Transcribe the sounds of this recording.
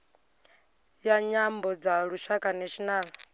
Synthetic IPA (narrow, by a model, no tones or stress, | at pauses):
jaɲambɔd͡zaɺuʃakʼanɛʃinaːna